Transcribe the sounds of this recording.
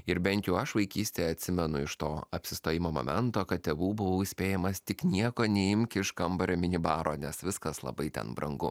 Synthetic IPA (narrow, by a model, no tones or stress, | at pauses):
ɪɾbʲɛnʲt̪ʲjɛʊɐʃʋɐɪkʲiːsʲt̪ʲeːɐt̪ʲsʲɪmʲɛnʊɪʃt̪oːɐpʲsʲɪst̪oːjɪmoːmo̰mʲɛnt̪oːkɐt̪̚ʲt̪ʲeːʋuːbʊʋɐʊɪsʲpʲeːjɛmɐst̪ʲɪknʲiɛkoːnʲɛɪmʲkʲɪɪʃkɐmbɐɾʲomʲɪnʲɪbɑːɾoːnʲɛsʋʲɪskɐslˠɐ̰bɐɪt̪ʲɛ̰nbɾɐ̰ŋɡʊ